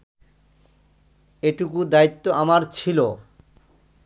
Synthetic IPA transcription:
eʈukud̪ait̪ːoamaɾt͡ɕʰilo

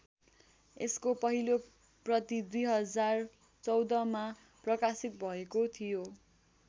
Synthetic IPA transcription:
eskopʌɦilo | prʌt̪id̪ujɦʌd͡zar | t͡sʌwd̪ʌma | prʌkasik̚bʱʌekot̪ʰijo

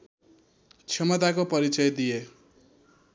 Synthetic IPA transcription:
t͡sʰʌmʌt̪akopʌɾit͡sʌjd̪ije

